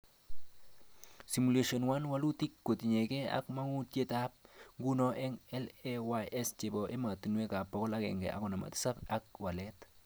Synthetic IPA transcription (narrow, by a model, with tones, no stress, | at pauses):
si˨mu˨le˦ʃo˨nwa˦nwa˦lu˦t̪i˦kːo˨t̪i˨ɲe˨ke˦a̰kma˦ŋu˦tje˦tap̚ŋɡu˦no˦ʔe˦ŋɛ˦lewaʔest͡ʃe˨bo˨ʔe˦ma˨t̪u˨nwe˦ka˨po˨ko˦la˦ɡḛ˨ŋɡḛ˨ʔa̰˨ko˨na˨ma̰˨t̪i̥˦sa˦ka˦k̚wa˨let